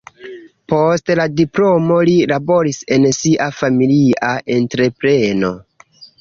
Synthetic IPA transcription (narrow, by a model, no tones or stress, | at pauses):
postladiplomo̞lilabo̞ɾise̞nsiʔafamiliaʔe̞ntɾe̞pɾe̞no̞̰